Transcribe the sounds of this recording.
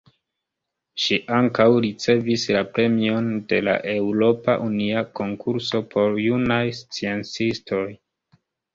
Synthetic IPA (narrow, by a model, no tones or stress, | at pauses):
ʃiʔaŋkawɾit͡se̞vislapɾe̞mio̞nde̞la̰ʔe̞wɾo̞paʔuniako̞ŋkʰuɾso̞pʰo̞ɾjunajst͡sient͡sistʰo̞j